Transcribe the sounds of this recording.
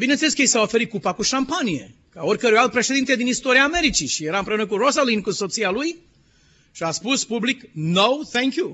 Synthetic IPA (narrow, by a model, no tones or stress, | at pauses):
bineneleskəejsawofe̞ɾit̪̚kupakuʃampanije̞̰ | kaorʲkəɾuojalt̪̚pɾe̞ʃe̞d̪int̪ed̪inist̪o̞ɾiaːme̞ɾit͡ʃiʃije̞ɾaɨmpɾe̞unəkurosolinkuso̞t̪sialuj | ʃiaspuspubliknowθɛ̃ŋkju